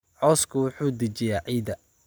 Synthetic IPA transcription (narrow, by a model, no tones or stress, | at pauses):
ʕɔːskʰʊwʊħuːd̪ɐt͡ʃɪjaːʕiːd̪ɐ